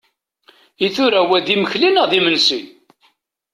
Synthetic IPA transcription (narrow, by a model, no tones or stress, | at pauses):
iθʊɾæwæðiməçlinəðimənsin